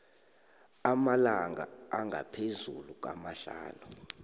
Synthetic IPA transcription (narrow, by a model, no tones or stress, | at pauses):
amalaŋa̰ːŋʱa̰pʰezuluk̬amaɬa̰ːnu